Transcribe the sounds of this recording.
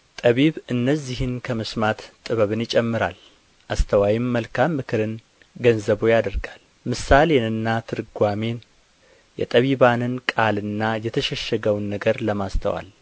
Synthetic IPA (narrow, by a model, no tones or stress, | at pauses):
t̪ʼəβiβɨnːəzːihɨnkʰəmɨsmat̪t̪ʼɨβəβɨnjɪt͡ʃʼɛmːɨɾa̰l | ʔast̪ʰəwajimːəlkʰamːɨkʰɨɾɨn | ɡənzəβojad̪əɾɡal | mɨsale̞nɨnːat̪ʰɨɾɨɡʷame̞n | jɛ̰t̪ʼəβiβanɨnkʼalɨnːajɛt̪ʰəʃɛʃːɛɡəwnːəɡəɾləmast̪ʰə̰wa̰l